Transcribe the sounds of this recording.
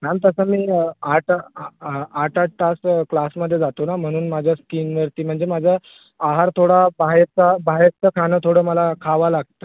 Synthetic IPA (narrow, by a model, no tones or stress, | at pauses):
nant̪əsəmiːaʈ | aʈaʈ̚ʈasklasməd̪ʱːjed͡zat̪onam̤əɽ̃uːnmad͡ʑʱjaskiːnʋəɾt̪iːm̤əɳd͡zemad͡ʑʱjaː | ɦaɾt̪ʰoɽabaɦeɾt͡sabʱaɦɾ̚t͡səkʰanəːt̪ʰoɽəːməlakʰaʋalaɡ̚t̪əː